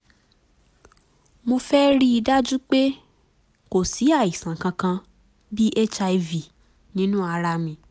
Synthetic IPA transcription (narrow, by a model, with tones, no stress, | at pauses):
mo˧fɛ˦ɾi˦i˧da˦d͡ʒu˦k͡pe˦ | ko˨si˨˦a˦˨i˨sã˨kã˧kã˧ | bi˦ʔe˦t͡ʃa˧i˧vi˨ | nĩ˨˦nũ˦a˧ɾa˧mĩ˧